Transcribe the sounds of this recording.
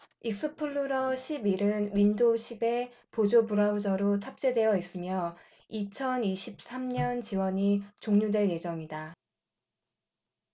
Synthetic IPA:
ik̚s͈ɯpʰuɭːuɾʌɕʰibiɾɯnɥindoɕʰibe̞ | pod͡ʑopuɾabud͡ʑʌɾotʰap̚t͡ɕ͈e̞dwe̞jʌis͈ɯmjʌ | it͡ɕʰʌniɕʰip̚s͈amɲʌnt͡ɕiwʌɲit͡ɕoŋɲudwe̞ɭje̞d͡ʑʌŋida

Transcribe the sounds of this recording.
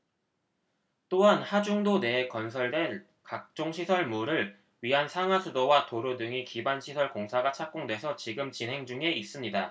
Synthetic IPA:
t͈oɦanhad͡ʑuŋdone̞ːkʌnsʰʌɭdwe̞n | kak̚t͡ɕ͈oŋɕʰisʰʌɭmuɾɯɭ | ɥiɦansʰaŋasʰudowatoɾudɯŋikibanɕʰisʰʌɭkoŋsʰaɡat͡ɕʰak̚k͈oŋdwe̞sʰʌt͡ɕiɡɯmt͡ɕinɦe̞ŋd͡ʑuŋe̞is͈ɯmɲida

